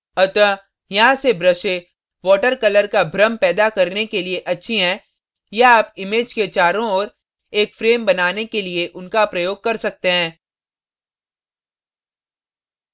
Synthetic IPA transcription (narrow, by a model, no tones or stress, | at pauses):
ɐt̪ə | jɐɦãsebɾɐʃe | ʋɔːʈəɾkɐləɾkabʱɾəmpɛːd̪akɐɾnekelieʔɐtːʃʰiɦɛ̃ː | jaaːpɪmeːd͡ʒket͡ʃaːɾõɔːɾ | eːkfɾeːmbɐnaːnekelieʔʊnkapɾɐjoːɡ̚kɐɾsɐk̚t̪eɦɛ̃ː